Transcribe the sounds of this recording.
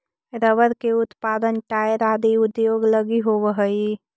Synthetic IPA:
ɾəʋəɾkeʊt̪paːd̪ənʈaːjəɾaːd̪iʊd̪joːɡləɡiɦoʋəɦəi

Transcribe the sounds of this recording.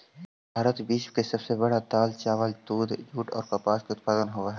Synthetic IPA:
bʱaːɾət̪biːʃkesɐbsebɐɽat̪aːlt͡ʃaːʋəlt̪uːd̪d͡ʒuːʈɔ̰ːɾpapaːskeʊt̪̚paːzənɦoaɦɛ

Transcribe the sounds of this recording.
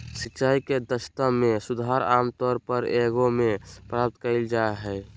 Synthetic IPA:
siːt͡ʃaːiked̪əst̪əmesud̪ʱaɾa̰ːmt̪ɔːɾpəɾeɡomepɾap̚t̪kəɪld͡ʒaɦɛ

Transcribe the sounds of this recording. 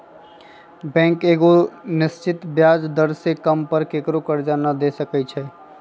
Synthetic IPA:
bɛ̃ːŋkeːɡonɪst͡ʃɪt̪bjaːd͡ʒd̪əɾsekəmpəɾkekɾokəɾd͡ʒaːnad̪esəkɛt͡ʃʰɛ

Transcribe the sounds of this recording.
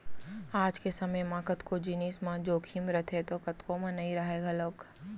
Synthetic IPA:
aːd͡ʒkesɐməjmãːkət̪kod͡ʒɪniːsmãd͡ʒoːkʰiːmɾɐt̪ʰet̪okɐt̪komãnɐɦĩɾɐɦeːɡaloːk

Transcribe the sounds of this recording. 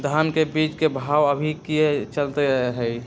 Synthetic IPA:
d̪ʱamkebiːt͡ʃkebʱaːwəbʱikiet͡ʃəlt̪eɾəɦeɦɛi

